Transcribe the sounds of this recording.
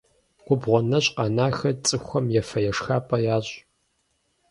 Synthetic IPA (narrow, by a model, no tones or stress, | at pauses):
ɡ̥ʷʊbʁʷɔnɐɕʼqɑnaːxɐt͡sʼɨxʷɔmjɛfɐjɛʂxaːpʼɐjaːɕʼ